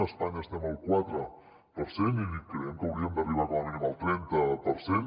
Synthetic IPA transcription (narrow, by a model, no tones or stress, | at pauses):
əspaɲəəst̪ɛməlˠkwat̪ɾə | pəɾsenikɾəjɛmkəwɾiəmd̪əriβ̞aβamiiməlˠt̪ɾɛnt̪əpəɾsen